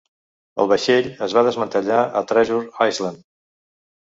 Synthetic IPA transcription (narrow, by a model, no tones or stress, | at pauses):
ə̰lˠβəʃeʎəzβaðəzmənt̪əʎaʔə̰t̪ɾɛʒuɾajzlənd̪